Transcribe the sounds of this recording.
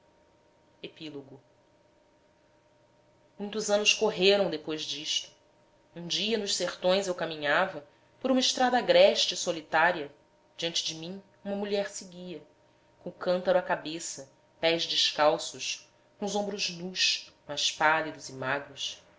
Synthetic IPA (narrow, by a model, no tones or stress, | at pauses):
epiloɡʊ | mũj̃t̪ʊzɐ̃nʊskoɦeɾɐ̃w̃d̪epojzd͡ʒiʃt̪ʊ̥ | ũd͡ʒiɐnʊʃseχt̪õj̃zewkamĩɲavɐ | poɾũmɐiʃt̪ɾad̪ɐaɡɾɛʃt͡ʃɪsolit̪aɾiɐ | d͡ʒiɐ̃nt͡ʃɪd͡ʒɪmĩ | ũmɐmuʎɛɾsɪɡiɐ | kõʊkɐ̃nt̪ɐɾɐkabesɐ | pɛzd͡ʒɪʃkawsʊʃ | kõzõbɾʊznuʃmajʃpalid̪ʊzɪmaɡɾʊs